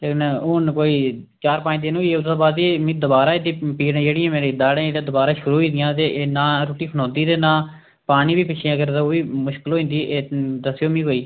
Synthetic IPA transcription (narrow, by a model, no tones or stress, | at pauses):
t̪enoːnkoːiː | t͡ʃaːɾpãːt̪eːnũːiːeʊd̪ãːbaːd̪iːmĩːd̪əbaːɾaːed̪iːpiːɾẽːd͡ʒeːɽɪjãːmeːɾiːd̪aːɽẽːed̪ãːd̪ʊbaːɾaːʃʊɾuːɦĩːd̪ɪjãːt̪̬eːʔːnaːɾoːʈiːpʰənɔ̃ːnd̪iːt̪eːnãː | paːniːbiːpɪt͡ʃʰĩɡəɾt̪əoːʋiːmʊʃkəloːɦĩnd̪iːʔeːd̪əsjoːmĩːkoːiː